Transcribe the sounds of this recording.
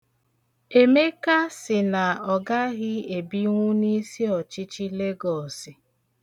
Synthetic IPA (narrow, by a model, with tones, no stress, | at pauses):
e˨me˦ka˦sɪ˨na˨ɔ˨ɡa˦ɣɪ˦e˨bi˦ŋʷu˦ni˦si˦ɔ˨t͡ʃɪ˦t͡ʃi˦le˦ɡɔ˨sɪ˨